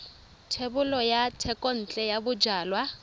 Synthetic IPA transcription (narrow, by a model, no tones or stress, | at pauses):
tʰebʊlɔjatʰɛkʼɔn̩t͡ɬʼɛjabʊd͡ʒaːlwa